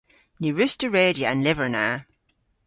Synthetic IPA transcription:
nʉːɹʉstəɹeːdiəə̃nlɪvə˞na

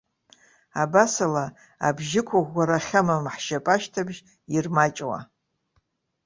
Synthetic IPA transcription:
abasala | a̰bʒɪkʷʰaʁʷɡʷaɾaχʲamamħʃapʼaʃtʰabʒ | irmat͡ʃʼwa̰

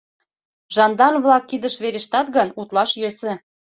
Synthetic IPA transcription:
ʒɑnd̪ɑnβlɑkːid̪əʃβeɾeʃt̪ɑt̪ɡənut̪lɑʃjesĕ

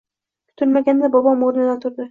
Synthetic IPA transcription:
kʰʊ̥t̪ʰʊɾmaɡʲand̪abɒbɒmoɾnɪd̪at̪ʰʊɾd̪ɪ

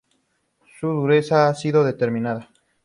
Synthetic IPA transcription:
suðuɾe̞saasiðo̞ðe̞t̪eɾmĩnaða

